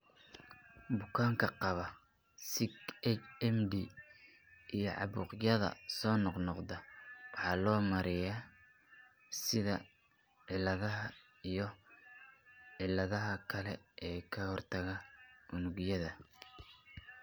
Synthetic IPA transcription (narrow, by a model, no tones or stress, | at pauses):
bʊkʰaːŋkʰɐqɑβɐ | sɪkɛt͡ʃɛmd̪i | ijɞʕɑ̰βʊ̰ːqjɐðɐ̰sɔːnɔqnɔqðɐwɑħɑːlɔːmɐɾɪja | sɪðɐ | ʕɪlɐðɐɦɐ | ijɞ | ʕɪlːɐðɐɦɐkʰɐlɛʔɛːkʰɐhɔrt̪ʰɐɣɐʊnʊɣjɐðɐ